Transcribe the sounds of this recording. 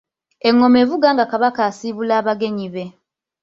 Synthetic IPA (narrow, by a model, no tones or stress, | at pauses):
e̞ŋːo̞me̞ːvuɡaːŋɡakaβakaːsiːβulaːβaɡe̞ɲiβe̞